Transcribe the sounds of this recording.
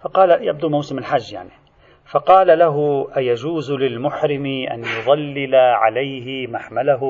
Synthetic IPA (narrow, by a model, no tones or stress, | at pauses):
fɑqɑːlajab̚d̪umawsɪmɪlħad͡ʒːja̰ʕni | fɑqɑːlalaɦʊʔajad͡ʒuːzlɪlmʊħɾɪmiʔa̰njʊðˤɑlːɪlaʕa̰lajɦɪmaħmalaɦʊ